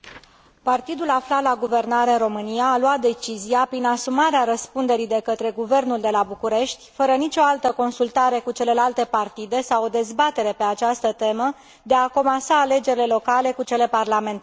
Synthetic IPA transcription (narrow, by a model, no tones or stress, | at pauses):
part̪id̪ulaflat̪laɡuve̞rnaɾeɨnro̞mɨnijaːluat̪̚d̪e̞t͡ʃiziapɾinasumaɾeaɾəspund̪e̞ɾid̪e̞kət̪ɾe̞ɡuve̞rnuld̪e̞labukuɾe̞ʃt̪ʲfəɾənit͡ʃʲo̞alt̪əko̞nsult̪aɾe̞kut͡ʃe̞le̞lalt̪e̞part̪id̪e̞sawo̞d̪e̞zbat̪e̞ɾe̞pe̞at͡ʃast̪ət̪e̞mə | d̪e̞ako̞masaːle̞d͡ʒe̞ɾile̞lo̞kale̞kut͡ʃe̞le̞parlame̞nt̪